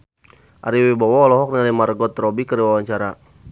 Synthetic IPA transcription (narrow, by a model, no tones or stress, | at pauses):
ʔa̰ɾiwebawalɔɦɔk̚nialimarɡɔt̪rɔbikəɾiwawaɲt͡ʃaɾa